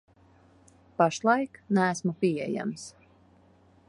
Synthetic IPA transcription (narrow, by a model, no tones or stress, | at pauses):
paʃlˠajknæːsmupʲiɛja̰ms